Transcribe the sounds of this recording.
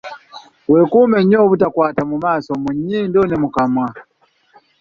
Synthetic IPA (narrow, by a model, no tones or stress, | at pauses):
βwe̞ːkuːme̞ɲo̞ːβutakwaːtamumaːsomuɲːiːndonemukamwa